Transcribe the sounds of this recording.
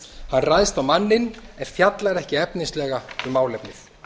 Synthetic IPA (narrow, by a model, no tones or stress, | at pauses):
hanrajðst̪awmanːɪnɛnfjat̪laɾɛhcɪɛpninst̪lɛːɣaʏmːaːwlɛpnɪθ